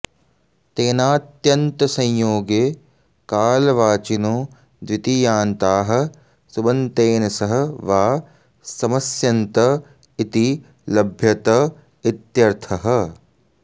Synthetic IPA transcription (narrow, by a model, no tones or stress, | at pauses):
t̪eːnaːt̪jɐnt̪ɐsɐɲjoːɡeː | kaːlɐʋaːt͡ʃinoː | d̪ʋit̪ijaːnt̪aːɦɐ̆ | subɐnt̪eːnɐsɐɦɐ̆ʋaː | sɐmɐsjɐnt̪ɐ | it̪i | lɐbʱjɐt̪ɐ | it̪jɐɾt̪ʰɐɦɐ̆